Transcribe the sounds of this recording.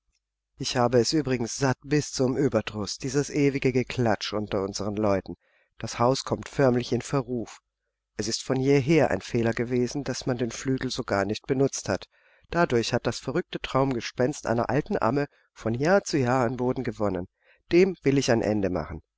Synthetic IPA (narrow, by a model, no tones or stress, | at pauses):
ʔɪçhaːbəɛsʔyːbʁɪɡŋ̩sz̥at̚b̥ɪst͡sʊmʔyːbɐdʁʊsd̥iːzəsʔeːvɪɡəɡəkʰl̥at͡ʃʔʊntɐʊnzəʁ̞ənlɔʏtn̩ | d̥ashaʊskʰɔmtfœɐmlɪçɪnfɛɐʁuːf | ʔɛsɪstfɔnjeːɦeːɐʔa̰ɪnfeːlɐɡəveːzn̩d̥asmandeːnflyːɡl̩zoɡaːɐnɪçt̚b̥ənʊt͡sthat | d̥adʊɐçhat̚d̥asfɛɐʁʏk̚tətʁ̥aʊmɡəʃpɛnstʔa̰ɪnɐ̰ʔa̰ltn̩ʔa̰mə | fɔnjaːɐt͡sujaːanboːdn̩ɡəvɔnən | d̥eːmvɪlɪçaɪnʔɛ̰ndəma̰χn̩